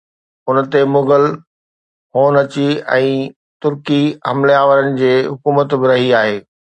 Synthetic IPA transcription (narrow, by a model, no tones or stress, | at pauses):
ʊn̆t̪emʊɡəl | hoːnɐt͡ɕiɛ̃ː | t̪ʊɾkiɦɐmleaːʋəɾənɪ̆d͡ʑeːɦʊkuːmət̪bɪɾɐɦiaːɦeː